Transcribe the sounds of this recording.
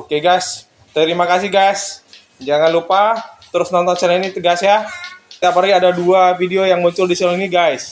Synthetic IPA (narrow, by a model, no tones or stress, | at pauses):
okeɡajs | t̪əɾimakasɪɡajs | d͡ʒaŋanlupat̪əɾʊsnɔnt̪ɔnsəlainit̪əɡasjat̪ap̬aɾaɡiadaduafideojaŋmuɲt͡ʃʊldisɛlainiɡajs